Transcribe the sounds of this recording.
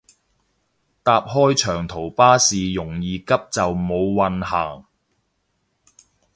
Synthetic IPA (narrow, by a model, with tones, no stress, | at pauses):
t̪aː˧p̚ɦɔː˥jt͡ʃʰœː˨˩ŋt̪ʰo˨˩wpaː˥siː˨jʊ˨˩ŋjiː˨kɐ˥p̚t͡sɐ˨wmo˨˧wːɐ˨nhaː˨˩ŋ